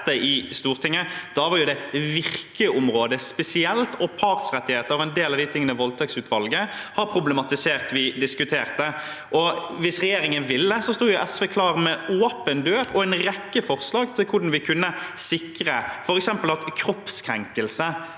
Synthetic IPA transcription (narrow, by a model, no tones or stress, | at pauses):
əʔɪst̪uːʁt̪ʰɪŋːəd̪̥ɑʋɑɾjʊd̪ɛʋɪɾkəʔʊmɾoːd̪əspɛsɪɛlt̪ɔpʰɑʁsʁɛt̪ːɪheːt̪əɾɔɛnd̪eːlɑʋd̪ɪt̪ʰɪŋːənəʋɔlt̪ʰɛksʉːt̪ʋɑlɡəhɑɾpʰɾʊblɛmɑt̪ɪseːʁt̪ʋɪd̪ɪskʉt̪ʰeːʁt̪ə | ʔɔʋɪsʁɛjeːɾɪŋənʋɪlːəsɔst̪uːɾjʊʔɛsʋeːkʰlɑːɾmɛoːpənd̪øːɾɔɛnɾɛkːəfɔʁslɑːɡt̪ʰɪlkʰʊɖn̩ʋɪkʰʉnːəsɪkɾəfɔɾɛksɛmpəlɑt̪kʰɾɔpskʰɾɛŋkəlsə